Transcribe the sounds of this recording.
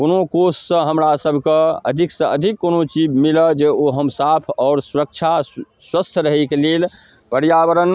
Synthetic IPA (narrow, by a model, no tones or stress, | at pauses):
konokossə̃ɦəmɾasəbʱkeəd̪ʱiksə̃əd̪ʱikːonot͡ʃibmiləd͡ʒeoɦəmsapʰɔːɾsuɾək̚t͡ʃʰa | swəst̪ʰɾəɦɛkelel | pəɾjabəɾən